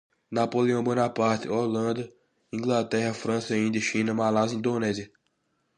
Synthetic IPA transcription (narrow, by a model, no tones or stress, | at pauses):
napoleɐ̃w̃bõnɐpaɾt̪ɪolɐ̃nd̪ɐ | ĩɡlat̪ɛɦɐfɾɐ̃sɐĩnd̪jɐʃĩnɐmalazĩd̪onɛziɐ